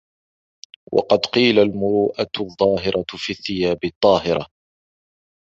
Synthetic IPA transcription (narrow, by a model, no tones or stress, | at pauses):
wɑ̰qɑd̪qiːlalmʊɾuːʔaðˤːɑːɦɪɾʔˤɑfiːθːɪjaːbɪt̪ˤːɑːɦɪɾɑ̰